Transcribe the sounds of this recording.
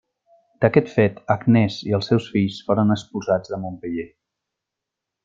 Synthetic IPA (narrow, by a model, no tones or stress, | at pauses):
d̪̥əkɛt̪fet̪əɡnɛziəlˠsɛwsfiʎsfoɾənəkspulˠzad͡zðəmompəʎe